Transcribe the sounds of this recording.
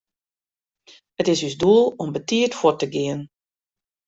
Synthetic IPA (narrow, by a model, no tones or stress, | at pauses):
ətɪsysduəlˠɔmbətiətfwɔtəɡiən